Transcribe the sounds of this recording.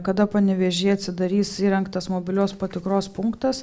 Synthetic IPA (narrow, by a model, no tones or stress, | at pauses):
kɐd̪ɐpɐnʲɛʋʲɛʒʲeːɐt̪ʲsʲɪd̪ɐɾʲiːsiːɾʲɛŋkt̪ɐsmoːbʲɪlʲoːspɐt̪ʲɪkɾoːspʊŋkt̪ɐs